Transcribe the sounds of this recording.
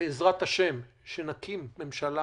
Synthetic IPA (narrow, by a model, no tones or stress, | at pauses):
eezʁat̪haʃe̞m | ʃenakimːe̞mʃala